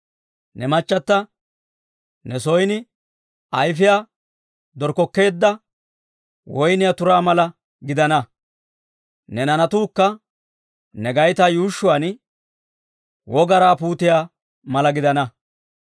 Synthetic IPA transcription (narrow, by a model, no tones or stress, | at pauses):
nɛmɐt͡ʃːɐt̪ːɐ | nɛsɔjnɪ | ɐjfɪjaː | d̪ɔɾkɔkːe̞ːd̪ːɐ | wɔjnɪjat̪ʊɾaːmɐlɐ | ɡɪd̪ɐnɐ | nɛnɐnɐt̪uːkːɐ | nɛɡɐjt̪ajuːʃːʊwɐn | wʔɔɡɐɾaːpuːt̪ɪjaː | mɐlɐɡɪd̪ɐnɐ